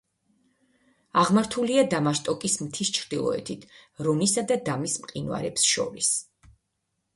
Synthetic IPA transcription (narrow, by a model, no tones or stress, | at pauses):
aʁmaɾt̪ʰuliad̪amaʃt̪ʼɔkʼismt̪ʰist͡ʃʰɾd̪̥ilˠɔ̰ɛ̰t̪ʰit̪ʰɾɔnisad̪ad̪amismqʼinwa̰ɾɛpsʃɔ̰ɾis